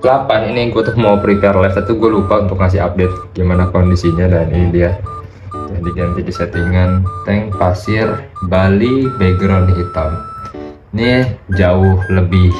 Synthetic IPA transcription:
lapaniniɡuat̪ʊkmopɾiparlaft̪at̪uɡualupaunt̪ʊk̚ŋas̬ɪɦa̰p̚det̪̚ɡimanakondisiɲadaninidia | tʊdiɡant̪idiset̪iŋant̪ɛŋpasɪrbalibɛɡɾɔndiɦit̪am | nid͡ʒaʊhləbɪh

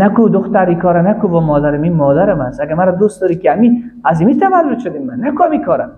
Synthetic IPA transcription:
nakud̪ʊxt̪aɾikʰɔːɾanakubɔmɔːd̪aɾaminmɔːd̪aɾamasaɡamaɾɔd̪ust̪d̪ɔɾikiamiazimit̪ʰamalːut̪ʃod̪immanːakuamikʰɔːɾa

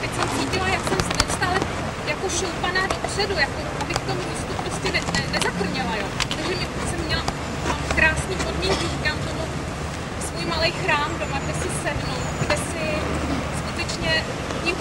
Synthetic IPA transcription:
t̪ɛcsɛmt͡siːcɪlajaksɛmsnɛt͡ʃt̪alɛ | jakoʃowpanaːdo̞pr̥ɛdujakoʔabɪkft̪omumiːst̪upɾoscɛnɛɛnɛzakr̩ɲɛlajoːt̪aɡʒɛmɛpt̪ɛsɛmːɲɛla | akɾaːsniːpo̞dmiŋkɪʒikaːmt̪oɦo | svuːjmalɛjxɾaːmdo̞maɡdɛsɪsɛdnowt̪ɡdɛsɪ | skut̪ɛt͡ʃɲɛ | ɲɪ

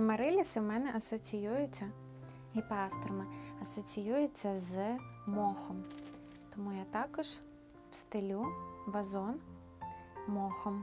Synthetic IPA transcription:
maɾɛlʲisɨmɛnɛʔɐsɐt͡sʲijujɛt͡sʲɐ | ipast̪ɾumɐɐsɐsʲijujɛt͡s̪ʲːɐzmɔxɐm | t̪ɔmujat̪akɐʂ | wst̪ɨlʲuvazɔn | mɔxɐm

